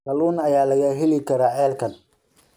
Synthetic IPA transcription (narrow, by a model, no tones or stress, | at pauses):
sɐluːnɐjaːlɐɣɐɦɪlɪkʰɐɾaːʕɛːlkʰɐn